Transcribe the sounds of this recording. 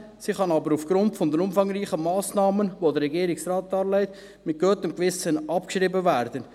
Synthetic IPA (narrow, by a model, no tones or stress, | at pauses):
siχɑnɑbəɾufɡ̥ɾʊntfɔndənʊmfɑŋɾiːχəmɑːsnɑːmənʋodəɾɛɡiːɾɪksrɑːt̚dɑːɾlɛɪt | mɪt̚ɡ̥øːtəmkʋɪsənʔɑpkʃɾiːbəvæːɾd̥ən